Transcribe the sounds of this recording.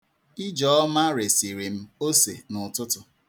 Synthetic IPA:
i˦d͡ʒɔ˨˦ɔ˦ma˦ɾe˨si˨ɾi˨m̩˦o˦se˨nʊ˨tʊ˦tʊ˨

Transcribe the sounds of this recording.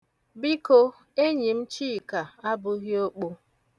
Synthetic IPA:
bi˦ko˦ | e˦ɲi˨m̩˦t͡ʃi˦˨ka˨a˦bʊ˦ɣjo˦k͡po˦

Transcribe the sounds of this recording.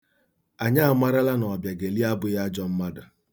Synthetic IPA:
a˨ɲa˦a˨˦ma˦ɾa˦la˦nɔ˨bja˨ɡe˨li˦a˦bʊ˨˦ja˦d͡ʒɔ˦m̩˦ma˦dʊ˨

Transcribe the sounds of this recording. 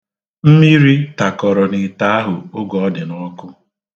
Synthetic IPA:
m̩˦mi˦ɾi˦ta˨kɔ˨ɾɔ˨nɪ˨ta˦a˦ɦʊ˨ʊ˦ɡɔ˨ɔ˦dɪ˨nɔ˦kʊ˦

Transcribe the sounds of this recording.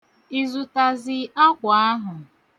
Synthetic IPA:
i˨zʊ˨ta˨zɪ˦a˦kʷa˨a˦ɦʊ˨

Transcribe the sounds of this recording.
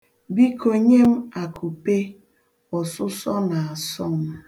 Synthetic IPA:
bi˦ko˨ɲe˦m̩˦a˨kʰu˨pe˦ | ɔ˨sʊ˦sɔ˦na˨a˨sɔ˦m̩˦

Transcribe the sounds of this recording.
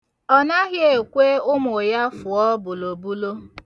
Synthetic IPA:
ɔ˨na˦ɣɪ˦e˨kʷe˦ʊ˦mʊ˨ja˦fʊ˨ɔ˦bʊ˨lo˨bu˦lo˦

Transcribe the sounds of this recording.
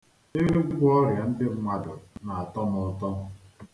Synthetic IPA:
ɪ˦ɾe˦ɡʊ˦ɡʷɔ˦ɾja˨n̩˦dɪ˦ŋʷa˨dʊ˨na˨a˨tɔ˦nɔ˨tɔ˦

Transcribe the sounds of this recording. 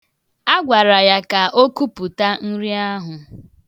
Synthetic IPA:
a˦ɡʷa˨ɾa˨ja˦ka˨ʔo˦ku˦pu˨ta˦n̩˦ɾi˦a˦ɦʊ˨

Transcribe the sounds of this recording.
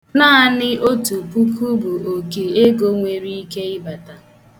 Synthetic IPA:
naː˦a˦nɪ˦ʔo˦tu˨pu˦kʰu˦bu˨o˨ke˨e˦ɡo˦ŋʷe˨ɾi˦i˦ke˦ɪ˦ba˨ta˨

